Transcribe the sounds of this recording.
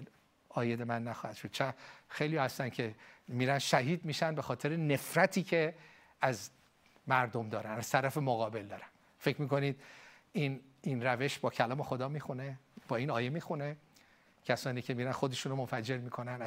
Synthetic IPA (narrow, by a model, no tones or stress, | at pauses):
ɒːjed̪emænːæxɒːhæd̪ʃod̪̥̚t͡ʃʰæxejlijɒːhæst̪æncʰe̞miːɾænʃæɦiːd̪miʃænbe̞xɒːt̪ʰe̞ɾene̞fɾæt̪ʰiːcʰe̞ | æz | mæɾd̪o̞md̪ɒːɾænæz̥t̪ʰæɾæfe̞moɣɒːbe̞ld̪ɒːɾæn | fe̞cʰmiːko̞nid̪̥ | in | inræve̞ʃbɒːcʰælɒːme̞xo̞d̪ɒːmiːxuneb̥ɒːiːnɒːje̞miːxune̞ | cʰæsɒːniːcʰe̞miːɾænxo̞d̪e̞ʃunomonfæd͡ʒe̞ɾmiːkʰo̞nænæ